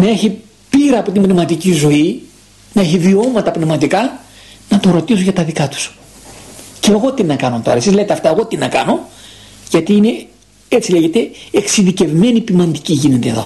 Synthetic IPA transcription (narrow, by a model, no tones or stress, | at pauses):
nɐe̞çi | piɾɐːpo̞t̪imbnemɐt̪icizo̞i | nɐe̞çivio̞mɐt̪ɐpnemɐt̪ikɐ | nɐt̪o̞ɾo̞t̪isoʝɐt̪ɐðikɐt̪u̥s | ceːɣo̞t̪inɐkɐnot̪o̞̰ɾɐ̰sizleet̪eɐft̪ɐeɣo̞t̪inɐkɐno̞ | ʝɐt̪iine̞ | et͡sileʝet̪e̞eksiðice̞vme̞nipimɐnd̪iciʝinet̪e̞̰ːðo̞̰